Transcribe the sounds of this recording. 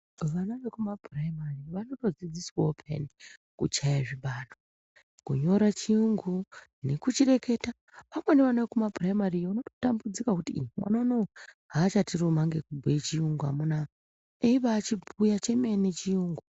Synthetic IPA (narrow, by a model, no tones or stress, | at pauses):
ʋanaʋekumaprajmariʋano̞to̞d͡zid͡ziswopʰḛnikut͡ʃajaʐiɓaːno | kṵɲo̞ɾat͡ʃiuŋɡune̞kut͡ʃire̞ke̞ːta | ʋamweneʋanaʋekumapraimariʋanoto̞tambud͡zikakutiwa̰nanoɦat͡ʃatirumaŋɡekubʱwet͡ʃijuŋɡua̰muna | eiʋaːt͡ʃibʱujat͡ʃe̞mene̞t͡ʃiuːŋɡu